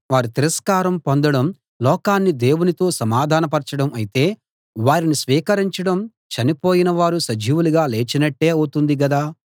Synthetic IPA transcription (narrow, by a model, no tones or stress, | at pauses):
ʋaːɾit̪iɾɐskaːɾɐmpond̪ɐɽɐm | lɔːkaːnːid̪e̞ːwunit̪o̞ːsɐmaːd̪ʱaːnɐpɐɾt͡ʃɐɽɐmɐjit̪e̞ː | ʋaːɾinisʋiːkɐɾiɲt͡ʃɐɽɐm | t͡ʃɐnipoːjinɐʋaːɾusɐd͡ʒiːʋuluɡaːle̞ːt͡ʃinɐʈːe̞ːɐwt̪und̪iɡɐd̪aː